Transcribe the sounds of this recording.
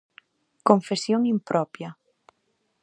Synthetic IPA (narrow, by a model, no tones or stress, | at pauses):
koɱfesjoŋimpɾʔɔpja